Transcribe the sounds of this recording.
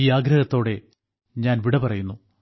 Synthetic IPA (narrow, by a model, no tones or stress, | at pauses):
iːaːɡɾɐɣɐt̪ːo̞ːɽe̞ | ɲaːnʋiɽɐpɐrɐjunːu